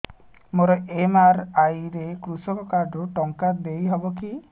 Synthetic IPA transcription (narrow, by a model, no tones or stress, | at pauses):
moɾɔʔemaɾajɾekɾusɔkɔkaɖʱɔʈɔŋkad̪ejɦɔbɔki